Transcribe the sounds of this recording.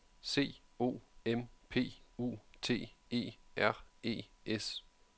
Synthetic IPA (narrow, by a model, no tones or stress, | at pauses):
se̝̰ːo̝̰ːempʰe̝̰ːṵːt͡sʰe̝̰ːe̝̰ːæɐ̰e̝̰ːes